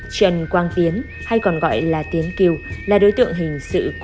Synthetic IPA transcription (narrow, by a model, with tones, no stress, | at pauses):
t͡ɕə˨˩nkwaː˧nt̪i˨˦ən | ha˧jkɔ˨˩nɣɔ̰˧˨jlaː˨˩t̪i˨˦ənki˧wlaː˨˩ɗoː˨˦jt̪ɨ̰˧˨əŋɦï˨˩ŋ̟sɨ̰˧˨k